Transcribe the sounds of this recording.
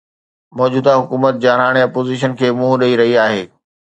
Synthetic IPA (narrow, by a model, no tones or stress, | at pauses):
mɔːd͡ʑuːd̪aɦʊkuːmət̪̚d͡ʑaːɾaːɽ̃eɐpoːziːʃ̬ənkʰeːmũːɦɗɐiɾɐɦiaːɦeː